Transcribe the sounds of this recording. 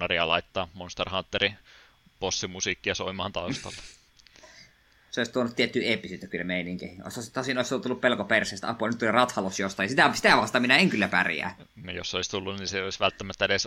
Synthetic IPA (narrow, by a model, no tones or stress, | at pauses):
ɑriɑlɑit̪ːɑːmonst̪erhɑnt̪ːeri | posːimusiˑkːiɑsoimɑːnt̪ɑust̪ɑlːe | seoˑist̪uonut̪t̪iet̪ːyːeːpːisyːt̪ːøkylːæmeˑiniŋkḛhio̰sosit̪osinoˑislːt̪ulːuppelkopersˑeˑːst̪æ̰ɑ̰pːuɑlnyt̪ːulirɑt̪hɑlosjost̪ɑˑijɑsit̪æˑsi̥t̪æʋɑst̪ɑminæeŋkylːæpæ̰rjæ̰ː | josːeoist̪ulːunniseoisʋælt̪ːæmæt̪ːæeles